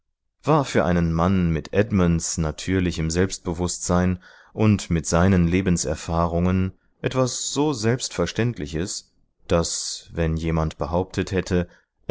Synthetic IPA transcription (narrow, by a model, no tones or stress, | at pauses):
v̥aːɐfyːɐʔa̰ɪnənmanmɪtʔɛdmansnatʰyːɐlɪçəmzɛlpst̚b̥əvʊstz̥aɪn | ʔʊntmɪtz̥aɪnənleːbn̩sɛɐfaːʁʊŋən | ʔɛtv̥asz̥oːzɛlpstfɛɐʃtɛntʰlɪçəs | d̥asvɛnjeːmantb̥əɦaʊp̚tʰəthɛtʰə | ʔ